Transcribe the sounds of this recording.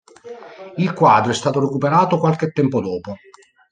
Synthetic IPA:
ilkwaːd̪ɾoɛst̪aːt̪oɾekupeɾaːt̪okwalk̟et̪ːɛmpod̪ɔːpo

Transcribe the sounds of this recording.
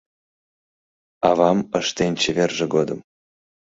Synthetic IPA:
ɑvɑməʃt̪enʲt͡ɕevʲerʒĕɡod̪ɤ̆m

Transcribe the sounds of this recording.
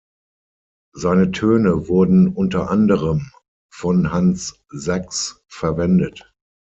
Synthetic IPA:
zaɪnətʰøːnəvʊɐdn̩ʔʊntɐʔandəʁəm | fɔnɦans | zaks | fɛɐvɛndət

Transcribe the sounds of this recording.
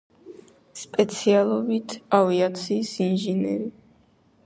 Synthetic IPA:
spʼɛt̪sʰialˠɔbit̪ʰaviat̪sʰiːsinʒɛnɛ̰ɾi

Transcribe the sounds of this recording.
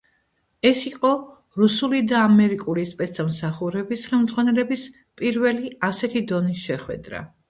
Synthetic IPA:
ɛsiqʼɔ | ɾusulid̪aːmɛɾikʼulispʼɛt̪samsaχuɾɛbisχɛlmd̪zʁwanɛlɛbis | pʼiɾvɛliasɛt̪ʰid̪ɔnisʃɛχwɛ̰d̪ɾa̰

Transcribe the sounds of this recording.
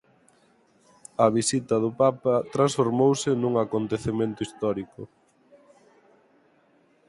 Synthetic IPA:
ɐβisit̪ɐðʊpapɐt̪ɾãnsfoɾmowsɪnuŋakont̪eθemẽnt̪ʊist̪ɔɾikʊ

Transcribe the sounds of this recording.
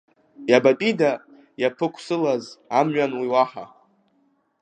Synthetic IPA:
jabatʼida | japʰɨkʷʰsɨlazamɥanwiwaħa̰

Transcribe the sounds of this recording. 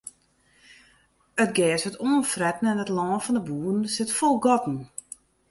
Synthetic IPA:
ətɡɛːsətoːnfrɛtn̩ɛnətlɔːnfɔndəbuːn̩sɪtfɔlˠɡɔtn̩

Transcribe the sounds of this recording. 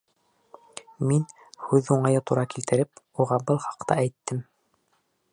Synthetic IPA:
min | hʉðuɴɑjɤt̪uɾɑkilt̪ɘ̆ɾɘp̚ | uʁɑbɤlˠχɑ̥qt̪ɑæjt̪ːɘm

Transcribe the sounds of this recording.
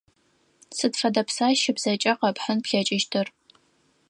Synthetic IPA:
sɨdfɐdɐpsaːʃɪbz̥ɐt͡ʃʼɐqɐpħənpɬɐt͡ʃʼɪʃtʰɨr

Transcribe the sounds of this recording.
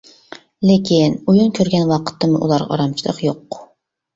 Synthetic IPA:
lɪkʲinujunkʲʰøɾɡʲɛnwɑqʰə̥t̪ːɨmʊʔṵlˠɑɾʁɑ̰ɑ̰ɾɑmt͡ʃʰilˠə̰qjoq

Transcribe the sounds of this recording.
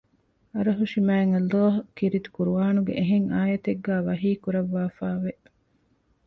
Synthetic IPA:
ɐɾɐɦuʃimæːeŋɐloːɦɐkiɾit̪u̥kuɾuʋaːnuɡḛʔeɦeŋaːjɐt̪eɡːæːʋɐɦiːkuɾɐʋːaːfaːʋe

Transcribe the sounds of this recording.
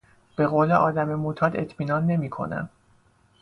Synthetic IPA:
b̥e̞ɣoːle̞ʔɒːd̪æme̞mot̪ʰɒːd̪e̞̰t̪ʰmiːnɒːnːe̞miːkʰo̞̰næ̰m

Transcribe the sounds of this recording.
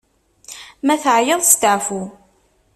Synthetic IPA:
mæθʕjəðˤst̪ʕfu

